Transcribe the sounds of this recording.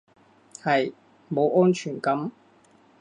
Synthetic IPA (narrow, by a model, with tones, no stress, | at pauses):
hɐ˨j | mo˨˧wʔɔː˥nt͡ʃʰyː˨˩nkɐ˨˥m